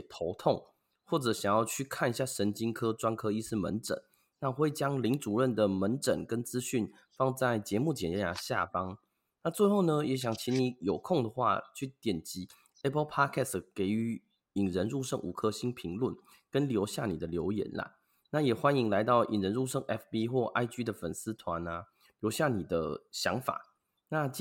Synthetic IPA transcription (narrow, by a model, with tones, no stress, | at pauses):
t̪ʰo˧˦ʊt̪ʰʊ˥˨ŋ | xwɔ˥˩ʈ͡ʂɤ˨˩ɕjɑ˨˩ŋjɑ˥˧ʊt͡ɕʰy˥˧kʰa˥˨ni˧˥ɕja˥˩ʂə˧˥nt͡ɕi˥ŋkʰɤ˥ʈ͡ʂwa˥nkʰɤ˥i˥˧sɹ̩˥˩mə̰˧˦nʈ͡ʂə̰˨˩˦n | na˥˧xwe˥˩ɪt͡ɕjɑ˥ŋli˧˥ŋʈ͡ʂu˨˩ɻə˥˩nd̪ə˩mə˧˦nʈ͡ʂə̰˨˩nkə˦nt͡sɹ̩˥ɕy˥˩n | fɑ˥˧ŋt͡sa˥˩ɪt͡ɕjɛ˧˦mu˥˩t͡ɕjɛ˨˩nɛ˥ja̰˧˩ɕja̰˥˨pɑ˦˥ŋ | na˥˧t͡swe˥˧ɪxo˥˩ʊnə˩jɛ˧˥ɕ̬jɑ˨˩ŋt͡ɕʰi˧˥ni˧˥jo˨˩ʊkʰo˥˩ŋd̪ə˩xwa̰˥˧t͡ɕʰy˥˩t̪jɛ˨˩nt͡ɕi˧˥˦ | ɛ˦˥pʰə˥pʰa˥kʰɛ˥˩ske˧˥˩ɪy˧˥ | i˨˩ŋɻə˧˦nɻu˥˧ʂɤ˥˧ŋʔṵ˨˩kʰɤ˥˧ɕi˥npʰi˧˥ŋlwu˥˩n | kə˦nljo˧˥ʊɕja˥˩nḭ˨˩d̪ə˦ljo˧˥ʊjɛ̰˧˥nla̰˨ | na˥˩jɛ˨˩xwa˦ni˧˥ŋla˧˦ɪt̪ɑ˥˩ʊʔḭ˨˩ŋɻə˧˦nɻu˥˧ʂə˥˧ŋʔɛ˥fpi˦xwɔ˥˧ʔa˥˧ɪt͡ɕy˥d̪ə˨fə̰˨˩ns̩˦˥t̪ʰwa˧˦na˧ | ljo˧˥ʊɕja˥˩ni˨˩d̪ə̰˦ɕjɑ˧˥ŋfa̰˨˩˦ | na˥˧